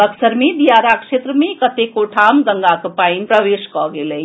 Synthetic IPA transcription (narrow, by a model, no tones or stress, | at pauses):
əksəɾmẽd̪ijaːɾakʃeːt̪ɾəmẽkət̪ekoʈʰaːmɡ̪əŋɡakpainpɾəʋeːʃkɔɡelei